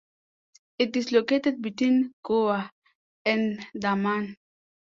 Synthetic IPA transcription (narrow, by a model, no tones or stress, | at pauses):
it̪̚d̪isloket̪et̪̚bit̪inkoa | end̪aman